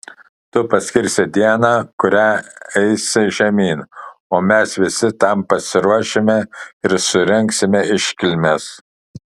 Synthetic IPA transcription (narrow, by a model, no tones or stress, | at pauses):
t̪ʊpɐsʲkʲɪɾʲsʲɛd̪ʲiɛnɑːkʊɾʲæːɛɪsʲɪʒʲɛmʲiːnoːmʲɛsʋʲɪsʲɪt̪ɐmpɐsʲɪɾuɔʃʲemʲɛɪɾsʊɾʲɛŋʲksʲɪmʲɛɪʃʲkʲɪlʲmʲɛs